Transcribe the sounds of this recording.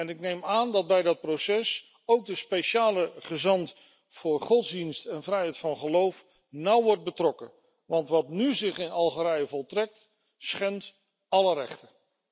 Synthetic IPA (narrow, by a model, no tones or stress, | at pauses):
ɛnɪknejmaːndɑd̚bɛjdɑt̚prosɛs | owk̚dəspejʃaːləχəzɑnt | fʊːɹχɔtzdinstɛnvrɛjɦɛjtfɑnχəlowf | nʌwʋɔɹt̚bətrɔkə | ʋɑntʋɑtnyzɪχɪnɑlˠχəɾɛjəvɔlˠtrɛk̚t | sχɛnt | ɑlərɛ̰χtə